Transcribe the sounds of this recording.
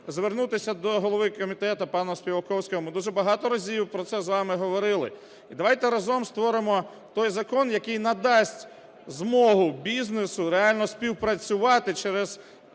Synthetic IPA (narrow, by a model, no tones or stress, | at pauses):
zʋernut̪ɪsʲɐd̪ɔɦɔlˠɔʋɪkɔmʲit̪ɛt̪ɐpɑnɐsʲpʲiʋɐkɔwsʲkɔɦɔmɪd̪uʒɛbɐɦɑt̪ɔɾɐzʲiwpɾɔt̪sɛzʋɑmɪɦɔʋɔɾɪlˠɪ̰ | id̪ɐʋɑjt̪ɛɾɐzɔmst̪ʋɔɾɪmɔ | t̪ɔjzɐkɔnjɐkɪjnɐd̪ɑsʲtʲ | zmɔɦʊbʲiznesʊɾeɑlʲnɔsʲpʲiwpɾɐt͡sʲʊʋɑt̪ɪt͡ʃɛɾɛz